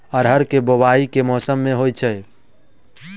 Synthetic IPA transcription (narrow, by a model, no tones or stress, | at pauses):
əɾɦəɾkebobaikemɔsəmːeɦojt͡ʃʰɛj